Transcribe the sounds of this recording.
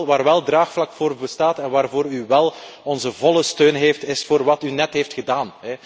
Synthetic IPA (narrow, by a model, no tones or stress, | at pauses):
ʋaːrʋɛlˠdraːxflɑkfoːrbəstaːtɛnʋaːrvoːɾyʋɛlˠɔnzəvɔlˠəstøːnɦeːftɪsfoːrʋɑtynɛtɦeːftxədaːnɦɛ